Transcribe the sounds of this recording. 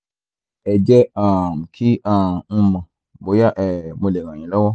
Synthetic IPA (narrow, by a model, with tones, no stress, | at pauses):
ɛ˨d͡ʒɛ˦ã˨m˨kʰi˦ã˦˨nũ˧mã˨ | bo˨˦ja˦ʔɛ˨mõ˧le˨ɣã˨ĩ˨lɔ˦wɔ˦